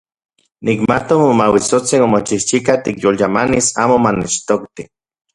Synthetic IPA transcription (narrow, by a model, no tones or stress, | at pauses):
nikmat̪omomawisot͡sinomot͡ʃiht͡ʃikat̪ikjoljamanisaːmomanet͡ʃt̪okt̪i